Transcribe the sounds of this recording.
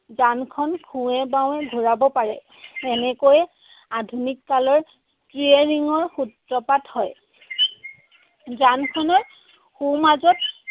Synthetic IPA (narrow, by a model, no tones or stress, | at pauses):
zankʰɔnkʰũɛbaw̃ɛɡʱuɹabɔpaɹɛ̰ | ɛnɛkojɛ | adʱunikːalɔɹ | tɹieɹiŋɔɹxutɹɔpathɔj | zankʰɔnɔɹ | xumazɔt̚